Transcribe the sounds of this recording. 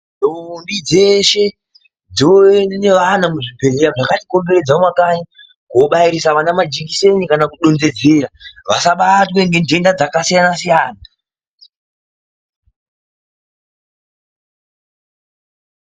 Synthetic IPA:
dombid͡ze̞ʃe̞ | d͡zioenne̞ʋanamuʐipe̞leɾaʐakatiko̞mbe̞ɾe̞d͡zamwakaɲi | koɓaiɾisaʋanamad͡ʒikise̞nikanakuɗond͡ze̞d͡ze̞ɾaʋasaɓatweŋɡende̞ndad͡zakasijanasijaːna

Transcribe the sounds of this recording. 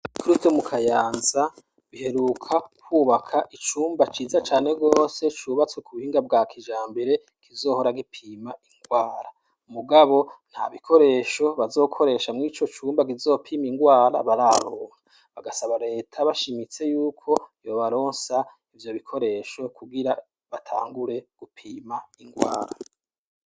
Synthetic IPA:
kɾustomukʰajaːnza | βihe̞ɾukʰakʰwuːβakʰaʔit͡ʃuːmbat͡ʃiːzat͡ʃaːne̞ɡo̞ːse̞t͡ʃuːβat͡swe̞kuβuhiːŋɡabɡakʰiʒaːmbeɾe̞ | kizo̞ːho̞ɾaɡipʰiːmaiŋɡwaːɾa | muɡaβo̞n̥ha̰βikʰo̞ɾe̞ʃo̞βazo̞ːkʰo̞ɾe̞ːʃamŋiːt͡ʃo̞t͡ʃuːmbaɡizo̞ːpʰiːmiŋɡwaːɾa̰βaɾaɾoːŋa | βaɡasaβaɾe̞ːtʰaβaʃimit͡se̞juːkʰo̞jo̞βaɾo̞ːnsa | ivjo̞βikʰo̞ɾe̞ʃo̞kuɡiɾa | βatʰa̰ːŋɡuɾe̞ɡ̥upʰiːmaiŋɡwa̰ːɾa̰

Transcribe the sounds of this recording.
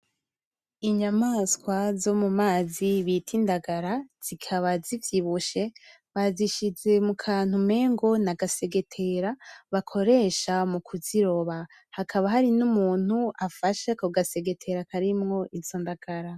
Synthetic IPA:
iɲamaskwazo̞mumaːziβitʰindaɡaɾaz̥ikʰaβazivjiβuʃe̞ | βaziʃize̞mukʰaːn̥hume̞ːŋɡo̞naɡase̞ɡe̞tʰe̞ɾaβakʰo̞ɾe̞ʃamukʰuziɾo̞βa | hakʰaβaɦaɾinumuːn̥uafaʃekoɡase̞ɡe̞tʰe̞ɾakaɾimŋo̞ʔizoːndaɡ̥aɾa

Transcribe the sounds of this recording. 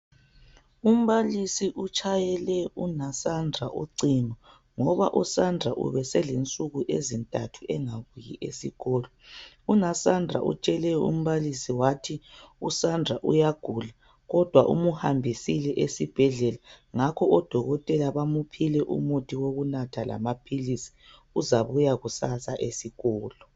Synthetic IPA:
um̩βalisiʔut͡ʃʰʼajɛlɛunasandʱaʔṵǀimɔ | ŋɔβa̰ʔusandʱaʔṵβɛsɛlent͡sʼuɣuʔezintʼatʰuʔɛŋaɣujḭʔḛsiɣɔːlɔ | unasandʱa̰ʔṵt͡ʃʼɛlɛṵm̩βalisiwatʰiusandʱaʔṵjaɡ̥ʱula | ɣɔd̥ʱwaʔṵmuhambʱisilɛʔesib̥ʱɛɮɛlaŋakʰɔɔd̥ʱɔɣɔtʼɛlaβamupʰilɛʔṵmutʰiwoɣunatʰala̰mapʰilisi̥ | uzaβujaɣusasaʔesiɣɔːlɔ

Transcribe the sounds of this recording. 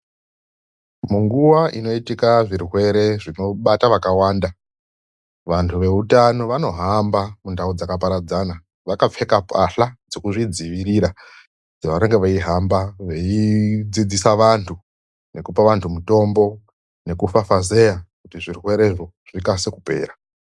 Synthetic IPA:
muŋɡuwaʔino̞itikaʐirwe̞ɾe̞ʐino̞ɓataʋakawaːnda | ʋantʰuʋe̞utano̞ʋano̞ɦambamundaud͡zakapaɾad͡zana | ʋakap͡fe̞kapʰaɬad͡zekuʐid͡ziʋiɾiɾa | d͡zaʋaɾeŋɡeʋaiɦambaʋe̞id͡zid͡zisaʋantʰu | ne̞kupaʋantʰumuto̞mbo̞ | ne̞kufafaze̞jakutiʐirwe̞ɾe̞ʐo | ʐ̥ikase̞kupe̞̰ːɾa

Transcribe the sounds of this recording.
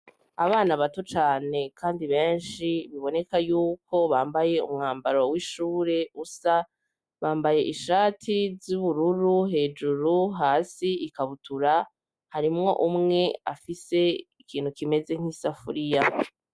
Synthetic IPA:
a̰βaːnaβatot͡ʃaːne̞kʰaːndiβe̞ːnʃiβiβo̞ne̞kajuːkʰo̞βaːmbaje̞ṵmŋaːmbaɾo̞wiʃuːɾe̞usa | βaːmbaje̞ʔiʃaːtʰizuβuɾuɾuɦe̞ːd͡ʒuɾuɦaːsiikaβutuɾa | haɾimŋo̞ʔumŋe̞afise̞ikʰiːn̥hukime̞ze̞ŋ̥isafṵɾija

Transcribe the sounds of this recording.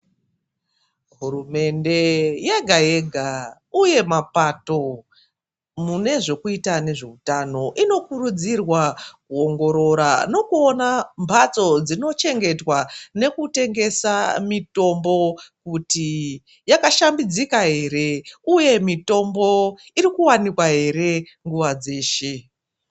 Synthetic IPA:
ɦurume̞nde̞jeɡʱaje̞ɡʱa | uje̞mapato̞ | mune̞ʐo̞kuitane̞ʐe̞utano̞ʔino̞kuɾud͡zirwakuo̞ŋɡo̞ɾo̞ɾano̞kuonambʱat͡so̞d͡zino̞t͡ʃe̞ŋɡe̞twane̞kute̞ŋɡe̞samito̞mbo̞kuti | jakaʃambid͡zikaɦe̞ɾe̞uje̞mito̞mbo̞ | iɾikuwanikwaɦe̞ɾe̞ | ŋɡuʋad͡ze̞ːʃe̞

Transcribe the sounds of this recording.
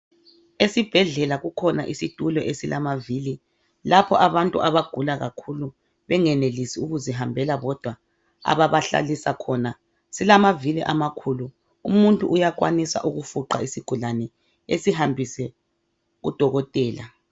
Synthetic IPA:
esib̥ʱɛɮɛlaɣukʰɔna̰ʔisid̥ʱulɔʔesilamaviːli | lapʰɔʔaβantʼṵʔaβaɡ̥ʱulaɣakʰulu | βɛŋɛnelisiuɣuziɦambʱɛlaβɔd̥ʱwa | a̰βaβaɬa̰lisakʰɔna | silamaviliʔamakʰulu | umuntʼṵʔujakʼwa̰nisa̰ʔuɣufuǃa̰isiɡ̥ʱulanɛ | esiɦambʱisɛ | ɣṵd̥ʱɔɣɔtʼɛːla

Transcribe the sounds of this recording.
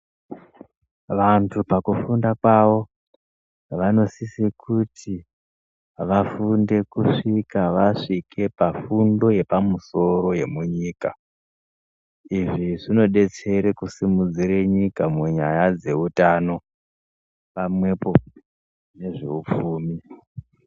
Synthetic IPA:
ʋantʰupakufundakwaʋo̞ | ʋano̞sisikʰutʰi | ʋafunde̞kuʂikaʋaʂikʰe̞pafundo̞je̞pamuso̞ɾo̞je̞muɲiːka̰ | iʐiʐino̞ɗe̞t͡se̞ɾekusimud͡ziɾeɲikamuɲa̰jad͡ze̞utano̞ | pamwe̞po | ne̞ʐe̞̰up͡fuːmi

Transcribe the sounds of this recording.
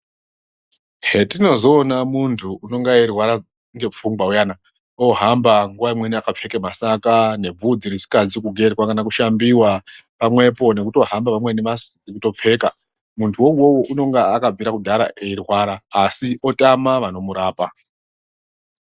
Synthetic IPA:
ɦetino̞zo̞ːnamuntʰuːno̞ŋɡaerwaɾa | ŋɡe̞p͡fuŋɡwaujana | oɦambaŋɡuʋaimweniakap͡fe̞kemasakane̞b͡vud͡ziɾisi̥kad͡zikuɡʱe̞rwakanakuʃambiwa | pamwe̞po̞ne̞kuto̞ɦambaʋamwe̞neʋasikuto̞p͡fe̞ːka | muntʰuwouwo̞woʔuno̞ŋɡaakab͡viɾakudʱaɾa̰ʔeirwaːɾaːsio̞tamaʋano̞muɾaːpa

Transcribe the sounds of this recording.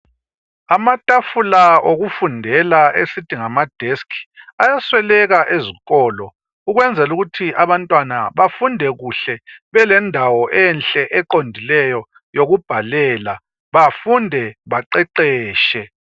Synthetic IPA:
amatʼafulaoɣufundʱɛlaesid̥ʱiŋamad̥ʱeskʰi̥ajaswɛlɛɣaʔeziɣɔːlɔ | uɣwɛnd͡zʱɛluɣutʰiʔaβantʼwana̰βafundʱɛɣuɬɛβɛlɛndʱawɔʔɛnɬʼɛʔɛǃondʱilɛjɔ | joɣub̥ʱalɛːla | βafundʱɛβaǃɛǃɛːʃɛ

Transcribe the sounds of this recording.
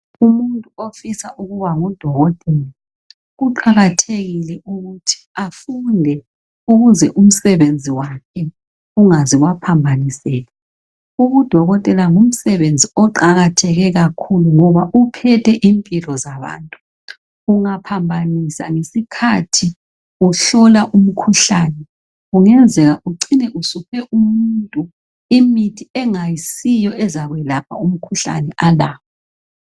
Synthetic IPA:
umuntʼuofisaʔuɣuβaŋud̥ʱɔɣɔtʼɛla | ɣuǃaɣatʰeɣilɛʔuɣutʰi̥afundʱɛ | uɣuzɛʔum̩sɛβend͡zʱiwakʰɛ | uŋaziɣwapʰambʱanisɛːlɛ | uɣud̥ʱɔɣɔtʼɛlaŋum̩sɛβend͡zʱiɔǃaɣatʰɛɣɛɣakʰuluŋɔβaʔupʰɛtʰɛʔimpʼilɔzaβa̰ːntʼuː | ŋapʰambʱanisaŋesikʰatʰi | uɬɔlaʔum̩kʰuɬanɛ | uŋɛnd͡zʱɛɣaʔuǀinɛʔusupʰɛʔumuntʼu | imitʰiɛŋajisijɔɛzaɣwɛlapʰaum̩kʰuɬa̰nɛʔalaːpa

